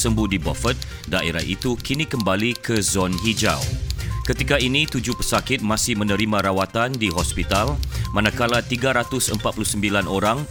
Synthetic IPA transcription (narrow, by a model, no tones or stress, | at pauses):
səmbuhdibɔfət̪̚ | daʔḛɾa̰ḭt̪ukinĩkəmbalikəzɔnɦid͡ʒa̰wkət̪ikainĩt̪ud͡ʒʊhpəsakɪt̪̚mãsɪhmə̃nə̃ɾimãɾawat̪andiɦɔspit̪almãnãkalat̪iɡaɾat̪ʊsəmpat̪̚puluhsəmbilanoɾaŋ